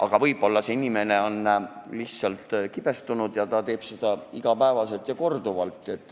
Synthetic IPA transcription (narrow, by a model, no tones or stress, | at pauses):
ʔɑ̰ɡ̥ɑvɤjbo̞lːɑse̞inime̞ne̞o̞nːliht̪sɑlt̪ˑkib̥e̞st̪unud̪̥jɑt̪ɑt̪e̞ːb̥sed̪̥ɑiɡ̥ɑpæevɑse̞lt̪jɑko̞rd̪̥uvɑlt̪ˑːe̞t̪ːˑ